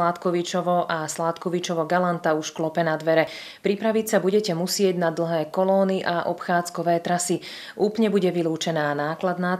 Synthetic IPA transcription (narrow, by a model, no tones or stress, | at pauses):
lat̪kɔʋit͡ʃɔʋɔʔaslat̪kɔʋit͡ʃɔʋɔɡalant̪auʃklɔpɛnad̪ʋɛɾɛ | pɾipɾaʋicsabuɟɛcɛmusɪɛɟnad̪l̩ɦɛːkɔlɔːniʔaʔɔ̰pxaːt͡skɔʋɛːt̪ɾasi | ʔuːplɲɛbuɟɛʋiluːt͡ʃɛnaːnaːklad̪naː